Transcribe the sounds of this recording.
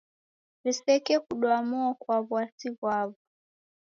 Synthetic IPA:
visɛkɛkuɗwamɔɔkwaβwasiβwaβu

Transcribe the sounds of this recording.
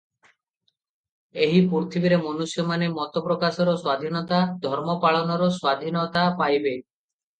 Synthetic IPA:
eɦipuɾt̪ʰibiɾemɔnusjɔmanemɔt̪ɔpɾɔkasɔɾɔswad̪ʱinɔt̪ad̪ʱɔɾmɔpaɭɔnɔɾɔswad̪ʱinɔt̪apajbe

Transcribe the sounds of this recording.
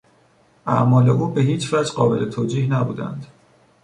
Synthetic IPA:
ʔæ̰ʔmɒːle̞ʔuːbe̞ɦiːt͡ʃvæd͡ʒɢɒːbe̞le̞t̪ʰoːd͡ʒiːhnæbuːd̪æ̰nd̪̥

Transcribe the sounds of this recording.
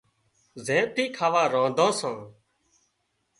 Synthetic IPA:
zẽːt̪iːkʰaːʋãːɾãːd̪ʱãːsãː

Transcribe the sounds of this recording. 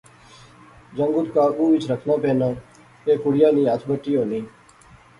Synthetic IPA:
d͡ʒəŋɡʊt̪kaːɓuːʋɪt͡ʃʰɾəkʰnãːpeːnãː | eːkʊɽɪjãːnĩːaːt̪ʰbəʈːijoːnĩː

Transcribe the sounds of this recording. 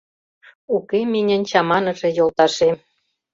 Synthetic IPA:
ukemenʲə̆nʲt͡ɕɑmɑnɤ̆ʒĕjolt̪ɑʃem

